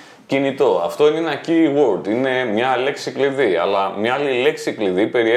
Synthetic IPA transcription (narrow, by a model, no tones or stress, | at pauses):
cinit̪o̞ɐ̰ft̪o̞ininɐciɣwold̪ine̞mɲɐle̞ksikliðiɐ̰lɐmɲɐɐlile̞ksikliðipe̞ɾie